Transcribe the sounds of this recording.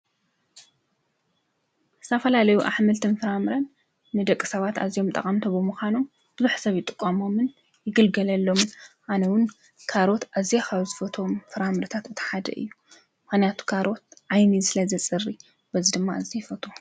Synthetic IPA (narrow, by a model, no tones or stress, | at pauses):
ɨ̥t̪ʰɐfɐlalɐjuʔa̰ħmɨlt̪ʰɨnfɨɾamɨɾɐnː | ɨd̪ɐkʼːɨ̥sɐβat̪a̰zijo̞mt̪ʼɐ̰kʼamt̪ʰobɨmuxʷanom | b̥ɨzuħsɐβjɪt̪ʼɨkʼːɐmo̞mɨn | jɪɡɨlɡɐlɐlːo̞mʔanɐwɨn | kʰaɾo̞t̪azikʰaβzɨfɐt̪ʰo̞mfɨɾamɾɨt̪ʰat̪ɨt̪ʰɐ̥ħad̪ɐ̰ʔɨ̰jːu | mɨxnijat̪ʰu̥kʰaɾo̞t̪ʕajnisɨlɐzɐt͡sʼɨrːi | bɐzid̪ɨmːaɨzijfɐt̪ʰo